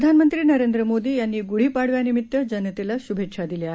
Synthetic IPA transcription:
d̪ʱanmənt̪ɾiːnəɾend̪ɾəmod̪iːjanːiːɡuɽ̤iːpaɽʋjanimit̪ːəd͡ʑɐnət̪elaɕubʱekʂad̪ileaɦ

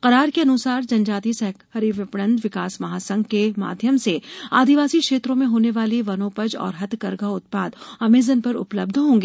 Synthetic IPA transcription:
qɐɾaːɾkeɐnʊsaːɾd͡ʒɐ̃nd͡ʒaːt̪isɛɦkhɐɾiʋɪpɽə̃nd̪ʋɪkaːsmɐɦaːsɐ̃ŋɡkema̰ːd̪ʱjəmsea̰ːd̪iʋaːsikʃeːt̪ɾõmẽɦoːneʋaːliʋɐnoːpəd͡ʒɔ̰ːɾɦɐt̪kɐɾɡaʊt̪̚paːd̪ɐmeːzənpɐɾʊ̰pləb̚d̪ʱɦõːŋɡeː

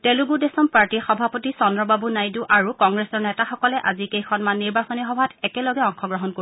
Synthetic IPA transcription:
tɛluɡudesɔmpaɹtixɔbʱapotisɔndɹɔbabunajduʔaɹukɔŋɡɹesɔɹnɛtaxɔkɔlɛʔazikejxɔnmanːiɹbasɔnixɔbʱatɛkɛlɔɡɛɔŋkʰɔɡɹɔɦɔnko

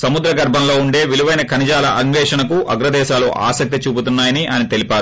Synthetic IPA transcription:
sɐmud̪ɾɐɡɐɾbʱɐnlo̞ːuɳɖe̞ːʋiluʋɐjnɐkʰɐnid͡ʒaːlɐʔɐŋʋɛːʂɐɳɐkuʔɐɡɾɐd̪ɛːʃaːlṵʔa̰ːsɐk̚t̪it͡ʃuːbut̪unːaːjɐniʔɐnit̪e̞lipaː

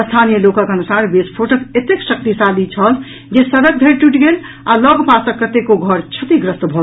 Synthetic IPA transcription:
əst̪ʰanijəlokə̃kənusaɾbespʰoʈoket̪eksək̚t̪isalit͡ʃʰəl | d͡ʒesəɾək̚b̪ʱeɾʈuʈɡel | alɔɡpasəkːət̪ekoɡʱʌɾt͡ʃʰət̪iɡɾəst̪bʱɔ

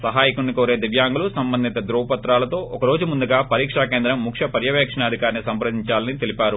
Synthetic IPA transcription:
sɐɦaːjikunːikoːɾeːd̪iʋjaːŋɡulusɐmbɐnd̪ʱit̪ɐd̪ɾuːʋɐpɐt̪ɾaːlɐt̪o̞ːʔɔkɐɾo̞ːd͡ʒumund̪uɡaːpɐɾiːkʂaːkeːnd̪ɾɐmːukʂɐpɐɾjɐʋɛːkʂɐɳaːd̪ʱikaːɾnisɐmpɾɐd̪iɲt͡ʃaːlɐnit̪elipaːɾu

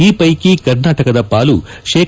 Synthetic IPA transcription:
iːpɐjkikɐɾnaːʈɐkɐd̪ɐpaːlu | ʃeː

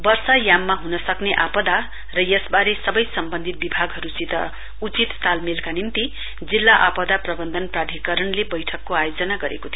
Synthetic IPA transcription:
bʌrsajamːaɦunʌsʌkneʔapʌd̪a | rʌjʌsbaɾesʌbʌjsʌmbʌnd̪ʱit̪̚bibʱaɡɦʌɾusit̪ʌ | ut͡sit̪ːalmilkanint̪i | d͡zilːaʔapʌd̪aprʌbʌnd̪ʱʌnprad̪ʱikʌɾʌnlebʌjʈʰʌkːoajod͡zʌnaɡʌɾḛkot̪ʰijo

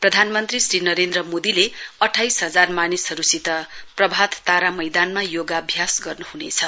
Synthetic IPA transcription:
prʌd̪ʱanmʌnt̪risrinʌɾend̪rʌmod̪ileʌʈʰːajsɦʌd͡zarmanisʌɾusit̪ʌprʌbʱat̪t̪aɾamʌjd̪anmajoɡabʱjasɡʌrnuhunet͡sʰʌ

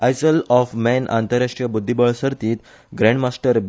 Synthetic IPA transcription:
ajsəlɔfmɛnʔa̰nt̪əɾːaʂʈɾijəbud̪ʱːibəɭsəɾt̪iːt̪ | ɡɾɛ̃ɳɖmasʈəɾ

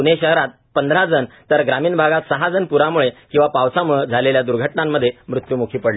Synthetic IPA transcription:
uneɕəɦɾat̪̚pənd̪ʱɾad͡zənt̪əɾɡɾamiːnbʱaɡat̪səɦad͡zənpuɾamuɭekĩw̃ʋapawsamuɭəd͡zʱaleljad̪uɾɡʱəʈnamːəd̪ʱːjemɾut̪jumukʰiːpəɽle

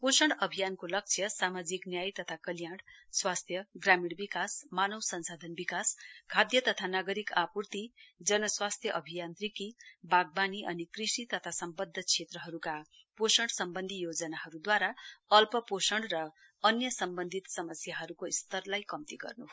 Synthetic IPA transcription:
posʌɳɖʌbʱijankolʌk̚t͡sʰjʌsamad͡ziknjajt̪ʌt̪ʰakʌljaɽswast̪ʰjʌɡramiɽbikasmanʌwsʌnsad̪ʱʌnbikaskʰad̪jʌt̪ʌt̪ʰanaɡʌɾikapurt̪id͡zʌnʌswast̪ʰjʌʔʌbʱijant̪rikibaɡ̚baniʔʌnikrisit̪ʌt̪ʰasʌmbʌd̪ʱːʌt͡sʰet̪rʌɦʌɾuka | posʌɳɖsʌmbʌnd̪ʱijod͡zʌnaɦʌɾud̪waɾaʌlpʌposʌɳɖrʌ | ʌnjʌsʌmbʌnd̪ʱit̪sʌmʌsjaɦʌɾukoist̪ʌrlajkʌmt̪iɡʌ̰rnuɦ

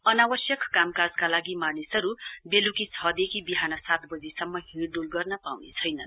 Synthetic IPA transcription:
ʌnawʌsjʌkkamkad͡zkalaɡimanisʌɾubelukit͡sʰʌd̪ekʰibiɦanʌsat̪bʌd͡zisʌmːʌɦiɽɖulɡʌrnʌpawnḛt͡sʰʌjnʌ̰n

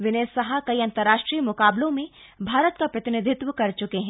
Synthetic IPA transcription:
ʋɪneːsːɐɦakɐiɐ̃nt̪əɾːaːʃʈɾiːmʊkaːblõmẽ | bʱaːɾət̪̚kapɾɐt̪ɪnɪd̪ʱɪt̪wəkɐɾt͡ʃʊkeɦɛ̃ː

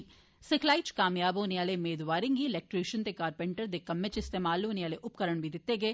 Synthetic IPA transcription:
sɪkʰlaːit͡ʃkaːmjaːboːneaːlemeːd̪ʋaːɾɪŋɡiːɪlɛːk̚ʈɾeːʃənt̪eːkaːɾpɛ̃ɳʈəɾd̪eːkɐmːet͡ʃɪst̪eːmaːlːoːneaːleʔʊp̚kəɾəɳ̃ʋid̪ɪt̪ːeːɡeː

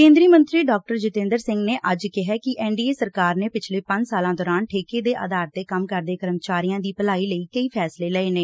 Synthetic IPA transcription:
kẽːnd̪ɾiəmə̃nt̪ɾiːɖɔːk̚ʈəɾd͡ʒʊt̪ẽːnd̪əɾsɪ̃ŋɡneːʔəd͡ʒkɪɦɛːkɪʔɛːɳɖiːeːsəɾkaːɾneːpɪt͡ʃʰleːpəɲd͡ʒsaːlãːd̪ɔːɾaːnʈʰeːkeːd̪eːʔə̰d̪aːɾt̪eːkəmkəɾd̪eːkəɾəmt͡ʃaːɾijãːd̪iːpəlaːiːləiːkəiːpʰɛːsleːləeːneː

